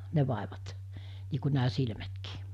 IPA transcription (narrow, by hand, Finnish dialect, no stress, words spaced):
ne ʋɑˑeʋɑt niː ku næː silmætkiː